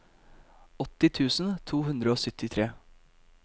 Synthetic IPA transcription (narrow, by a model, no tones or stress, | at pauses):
ɔt̪ːɪt̪ʰʉːsn̩t̪ʰuːɦʉnd̪ɾəoːsʏt̪ɪt̪ʰɾeː